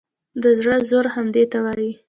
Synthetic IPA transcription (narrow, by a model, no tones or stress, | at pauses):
d̪əzɽəzoɾhamd̪et̪awɑji